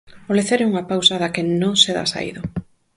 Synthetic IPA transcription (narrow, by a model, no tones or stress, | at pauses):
oleθeɾeuŋapawsɐðakɪnõŋseða̰sa̰ḭðʊ